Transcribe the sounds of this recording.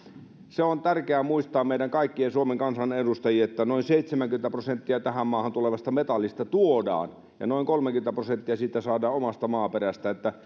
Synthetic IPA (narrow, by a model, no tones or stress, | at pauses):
seont̪ærkeæmuist̪ɑːmmeiɾæŋkɑikːiesuomeŋkɑnsɑnedust̪ɑjiet̪ːænoinseit̪semæŋkymen̆t̪æprosent̪ːiɑt̪æhæmmɑːhɑnt̪uleʋɑst̪ɑmet̪ɑlːist̪ɑt̪uodɑ̰ːn | jɑ̰noiŋkolmeŋkyĕnt̪æprosent̪ːiɑsiːt̪ːˑæsɑːdɑːomɑst̪ɑmɑːperæst̪æet̪ːæ